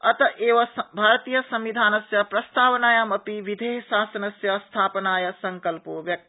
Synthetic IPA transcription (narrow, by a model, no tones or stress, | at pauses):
ɐt̪ɐʔeːʋɐbʱaːɾt̪iːjɐsɐ̃mʋid̪ʱaːnɐsjɐpɾɐst̪ʰaːʋnaːjɐmɐpiʋid̪ʱeːɦʃaːsɐnɐsjɐst̪ʰaːpnaːjɐsɐŋkɐlpoʋjɐk̚t̪i